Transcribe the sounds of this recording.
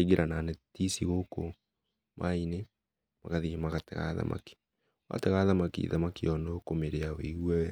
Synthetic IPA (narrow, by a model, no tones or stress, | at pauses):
iɣeɾʔananɛtisiɣoko | mʔaine | maɣaðimaɣatɛɣa̰ða̰mʔa̰ki̥ | wa̰tɛɣaðamakḭðamakiɔnokomeɾeaweɣwɛ